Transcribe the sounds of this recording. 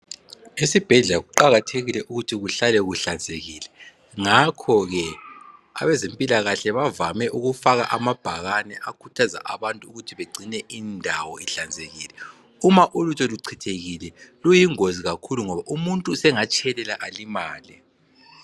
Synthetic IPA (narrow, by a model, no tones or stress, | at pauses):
esib̥ʱɛɮɛlaɣuǃaɣatʰeɣilɛʔuɣutʰiɣuɬalɛɣuɬand͡zʱeɣiːlɛ | ŋakʰɔɣɛ | a̰βɛzempʼilaɣaɬɛβavamɛʔuɣufaɣa̰ʔamab̥ʱaɣanɛʔakʰutʰaza̰ʔaβantʼuuɣutʰiβeɡ͡ǀʱinɛʔindʱawɔiɬand͡zʱeɣiːlɛ | umaʔulutʰʼɔluǀʰitʰeɣilɛlujiŋoziɣakʰuluŋɔβaʔumuntʼusɛŋat͡ʃʼʰɛlɛlaʔalimaːli